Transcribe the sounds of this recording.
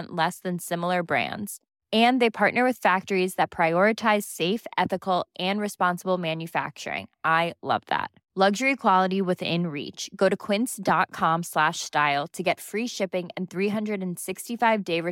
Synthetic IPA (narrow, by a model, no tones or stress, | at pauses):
nʔlɛsðɨ̃nsɪ̃ml̩ˠə˞bɹæ̰̃ndz̥ | ɨ̃nðeɪpʰɑɹʔⁿnə˞wɨð̥fæk̚tə˞izðɨt̚pʰɹ̥aɪɔɹɨtʰaɪz̥seɪfɛθɨkl̩ˠʔɨ̃nɹɨspɑ̃nsəbl̩ˠmæ̃njɨfæ̰k̚t͡ʃə̰˞ɪ̰̃ŋʔaɪlʌ̰vðæ̰t̚ | lʌɡʒə˞ikʰw̥ɑlˠəɾiwɪðɪ̰̃nɹḭt͡ʃɡ̥oʊɾɨkʰw̥ɪ̃nsd̥ɑt̚kʰɑ̃mslæʃstaɪlˠtʰɨɡɛtfɹiʃɪpɪ̃ŋɨ̃nθɹiɦʌ̃ndɹɨɾɨ̃n̩sɪkstifaɪvdeɪɹɨ